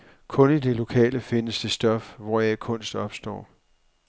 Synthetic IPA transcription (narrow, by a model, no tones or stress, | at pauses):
kʰɔ̽nid̥e̝lo̝kʰɛ̰ːləfe̝nəsd̥e̝sd̥ɒ̽fʋɒjɑɪkʰɔ̽n̰sd̥ɒ̽b̥sd̥ɒ̰ː